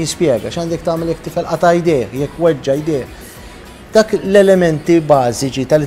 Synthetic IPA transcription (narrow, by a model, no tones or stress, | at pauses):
jɪspjɛːɡɐʃɐːnd̪ɛkt̪ɐːmɛljɛkːt̪ɪfɛlʔɐt̪ɐjd̪ɛːħjɛkːwɛd͡ʒːɐjd̪ɪːħ | d̪̥ɐːklɛlɛmɛnt̪ibɐːzɪt͡ʃit̪ɐlɪ